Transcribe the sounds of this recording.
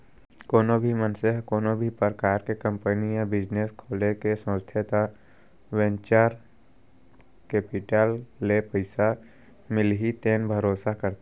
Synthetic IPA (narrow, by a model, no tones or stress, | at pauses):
koːnobʱimənseɦkoːnobʱipəɾəkaːɾkekə̃mpənijabɪd͡ʒneskʰoːlekesə̃st̪ʰet̪a | wɛ̃nt͡ʃaɾ | keːpɪʈəlːepəɪsa | mɪlɦit̪eːnbʱəɾoːsakəɾt̪